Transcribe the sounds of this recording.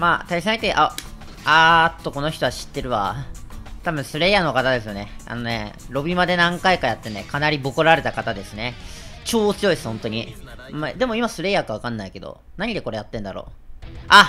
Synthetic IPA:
maːt̪aisãŋit̪eʔa | at̪ːo̞ko̞no̞çi̥t̪o̞aɕi̥t̪ːe̞ɾɯ̟βa̰ | t̪abɯ̟̃ɰ̃sɨɾe̞ːjano̞kat̪ad̪e̞sɨjo̞ne̞a̰no̞ne̞̰ɾo̞bʲimad̪e̞nãŋkaikajat̪ːe̞ne̞kanaɾʲibo̞koɾaɾe̞t̪akat̪ad̪e̞sɨne̞t͡ɕo̞ːt͡sɨjo̞isɨ̥hõ̞nt̪o̞ɲ̟iː | d̪e̞mo̞imasɨɾe̞jakaβ̞akãnːaike̞d̪o̰ | naɲ̟id̪e̞ko̞ɾe̞jat̪ːẽ̞nd̪aɾo̞̰ː | a

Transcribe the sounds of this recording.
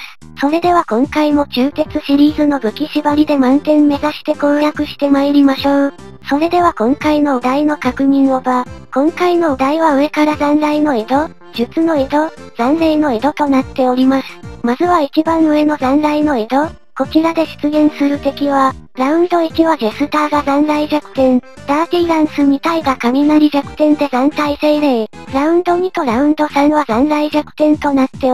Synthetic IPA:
so̞ɾe̞d̪e̞β̞akõ̞ŋkaimo̞t͡ɕɨːt̪e̞t͡sɨɕiɾʲiːzɨno̞bɯ̟kʲiɕibaɾʲid̪e̞mãnt̪ẽ̞mːme̞zaɕi̥t̪e̞koːjakɯ̟ɕi̥t̪e̞maiɾʲimaɕo̞ː | so̞ɾe̞d̪e̞β̞akõ̞ŋkaino̞ːd̪aino̞kakɯ̟ɲ̟ĩɰ̃obakõ̞ŋkaino̞ːd̪aiβaɯ̟e̞kaɾazãnɾaino̞e̞d̪o̞ | ʑ̥ɨt͡sɨno̞e̞d̪o̞z̥ãnɾaino̞e̞d̪o̞t̪o̞nat̪ːe̞o̞ɾʲimasɨ̥mazɨβait͡ɕibãɰ̃ɯ̟e̞no̞zãnɾaino̞ed̪o̞ | ko̞t͡ɕiɾad̪e̞ɕi̥t͡sɨɡẽ̞ɰ̃sɨɾɯ̟t̪e̞kʲiβa | ɾaɯ̟̃nd̪o̞it͡ɕiβaɡe̞sɨt̪aːɡazãnɾaiʑakɯ̟̥t̪ẽ̞n | d̪̥aːt̪ʲiːɾãɰ̃sɨmʲit̪aiɡakamʲinaɾʲiʑakɯ̟̥t̪ẽ̞nd̪e̞zãnt̪aise̞ːɾe̞ɾaɯ̟̃nd̪o̞ɲ̟it̪o̞ɾaɯ̟̃nd̪o̞sãɰ̃βazãnɾaiʑakɯ̟̥t̪ẽ̞nt̪o̞nat̪ːe̞

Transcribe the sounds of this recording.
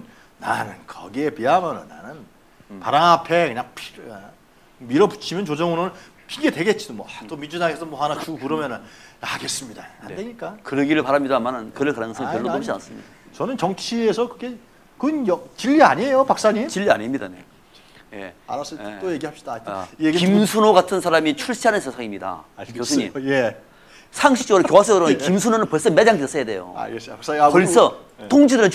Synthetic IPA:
n | na̰nɯnkʰʌ̰ɡiepeamʌnɯna̰nɯn | paɾaŋapʰe̞kɯɲaŋpʰiɾe | miɾʌpu̥t͡ɕʰimjʌnt͡ɕod͡ʑʌŋunonɯɭ | pʰiɡedwe̞ɡet̚t͡ɕ͈idomwʌat͈omind͡ʑudaŋesʰʌmwʌhanat͡ɕukɯɾʌmjʌnɯnjaaɡe̞s͈ɯmɲidahandeɲik͈akɯɾʌɡiɾɯɭpaɾamɲidamanɯnkɯɾɯɭkanɯŋsʰʌŋkjʌɭːooɕia̰ns͈ɯmɲḭd̥at͡ɕʌnɯnt͡ɕʌŋt͡ɕʰiesʰʌkɯɡe | kɯnjʌt͡ɕiʎːiaɲejopak̚s͈aɲimt͡ɕiʎːia̰ɲimɲida̰ne̞̰ | je̞̰a̰ɾast͈ojeɡiɦapɕi̥d̥ajeɡikimsʰunoɡatʰɯnsʰaɾamit͡ɕʰuɭɕʰiɦanɯnsʰesʰaŋimɲida̰kosʰuɲḭmje | sʰaŋɕʰik̚t͡ɕoɡɯɾojoɦas̬ʰeɡɯɾonkkims̬ʰunonɯnpʌɭs͈ʌmed͡ʑaŋes͈ʌjade̞jo̰a̰ɡesaks͈akʌɭs͈ʰʌ | toŋd͡ʑidɯɾɯn

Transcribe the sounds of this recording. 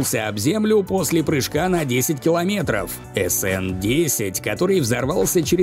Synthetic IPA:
lˠsʲəɐbzʲemlʲʊpo̞sʲlʲɪpɾɨʂkanɐdʲesʲɪtʲkʲɪlˠɐmʲe̞t̪ɾə̰f | ɛsɛndʲesʲɪtʲkɐt̪o̞ɾɨjvzɐrvalˠsʲət͡ɕɪɾʲɪ

